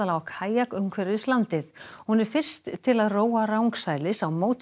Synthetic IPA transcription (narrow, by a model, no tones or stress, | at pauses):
alawakʰaːjakʏmkʰvɛɾɪðslant̪ɪθhunɪɾ̥fɪr̥st̪ʰːɪlaðroːwarawŋksaːjlɪsawmoːwt̪